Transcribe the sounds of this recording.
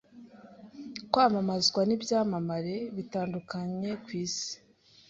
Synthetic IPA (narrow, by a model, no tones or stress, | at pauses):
kwaːmamazɡwanibjaːmamaɾe̞βitaːndukaɲe̞kwiːsi̥